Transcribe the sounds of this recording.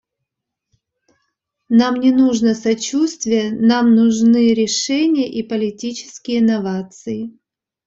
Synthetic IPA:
namnʲɪnuʐnəsɐt͡ɕust̪vʲɪjənamnʊʐnɨɾʲɪʂɛnʲɪjəʔipəlʲɪtʲit͡ɕɪ̥skʲɪjɪnɐvat̪sɨɪ

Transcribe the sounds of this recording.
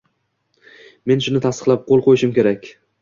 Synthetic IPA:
me̞nʃʊnɪt̪ʰast̪ɨ̥qlˠap̚qʰolˠqʰojɪʃɪmkʲʰe̞ɾakʲ

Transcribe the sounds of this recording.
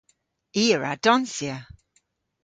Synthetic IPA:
iːəɹa̰d̥ɔnsjə

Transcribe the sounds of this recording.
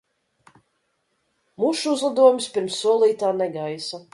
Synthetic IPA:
muʃuuzlˠad̪uɔjumʲispʲiɾmsːuɔlˠiːt̪aːnɛɡajsa

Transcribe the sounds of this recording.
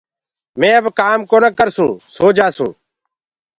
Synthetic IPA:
mẽːəbkaːmkoːnəkəɾsũːsoːd͡ʒaːsũː

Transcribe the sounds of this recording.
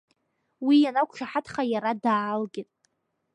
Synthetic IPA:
wijanakʷʰʼʂʰaħatʰχajaɾadaːlɡʲɪtʼ

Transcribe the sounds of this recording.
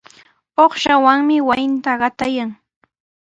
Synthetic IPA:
oχʃawaŋmɪwajɪnt̪aɢɑt̪ajaŋ

